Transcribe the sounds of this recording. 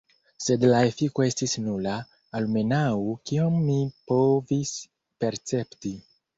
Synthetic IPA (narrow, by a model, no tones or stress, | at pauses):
se̞dlae̞fiko̞e̞stisnulaː | lme̞nawukiomːipo̞vis | pe̞ɾt͡se̞pti